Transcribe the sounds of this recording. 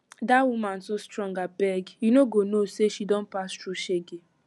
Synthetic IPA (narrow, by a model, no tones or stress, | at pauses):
dawumãnsostɹɔ̃ŋɡabɛɡjunoɡonoseʃidɔ̃npastɾuʃeɡe